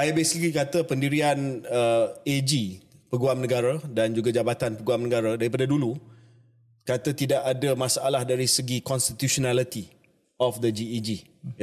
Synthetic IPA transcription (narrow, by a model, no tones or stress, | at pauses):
ajbesikikat̪əpəndiɾianəed͡ʒipəɡuamnə̃ɡaɾadand͡ʒuɡad͡ʒabat̪anpəɡuamnəɡaɾadaɾip̬adadulu | kat̪ət̪idaʔadamãsaʔalahdaɾisəɡikɔnst̪it̪usonalit̪i | ɔfd̪əd͡ʒiid͡ʒi